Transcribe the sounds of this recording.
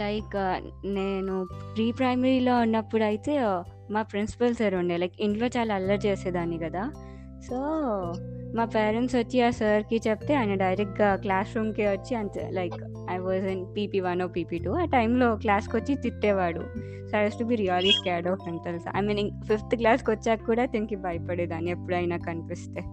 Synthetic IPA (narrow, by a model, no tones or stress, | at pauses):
lɐjkneːnupɾiːpɾɐjmeɾiːloːunːɐpːuɽɐjit̪eː | maːpɾinsi̥pɐlsɐɾuɳɖelɐjkiɳʈlo̞ːt͡ʃaːlaːɐlːɐt͡ʃeːseːd̪aːnikɐd̪aː | soː | maːpeːɾeɳʈsʋɐt͡ʃːiaːsɐɾkit͡ʃɛpt̪eaːjnɐɖɐjɾek̚ʈɡaklaːsɾuːmkeːʋɐt͡ʃːiɐnt̪ḛlɐjk | ɐjʋɔːzinpiːpiːʋɐnoːpiːpiːʈuːɐʈɐjmloːklaːskot͡ʃːit̪iʈːeːʋaːɽṵ | soajuːsʈubiːɾiaːliskaːɖoːpɾinpɐlsɐ̰jmĩːnifift̪klaːskɔt͡ʃːaːkːuːɽaːt̪enkibɐjpɐɽeːd̪aːniepːuɽuɐjnaːkɐnipist̪eː